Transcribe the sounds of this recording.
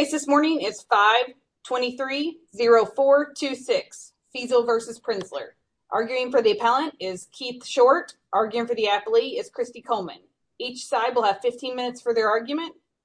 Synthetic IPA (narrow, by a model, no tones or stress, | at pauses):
ɪsðɪsmɔɹnɪ̃ŋɪz̥faɪv̥ | tʰw̥ɛ̃ɾ̃iθɹi | ziɹoʊfɔɹtʰʉsɪks | sizl̩ˠvɜ˞sɨz̥pʰɹ̥ɪ̃nslə̰˞ | ʔɑɹɡjʉɪ̃ŋfə˞ðiɨpʰælˠə̃ntɪz̥kʰiθʃɔɹt | ʔɑɹɡjʉɪ̃ŋfə˞ðiæpl̩ˠiɪz̥kʰɹ̥ɪstikʰoʊlˠmɨ̰̃n | it͡ʃsaɪd̚wəlˠəv̥fɪftʰĩnmɪ̃nɨtsfə˞ðə˞ɑɹɡjʉmɨ̃nt̚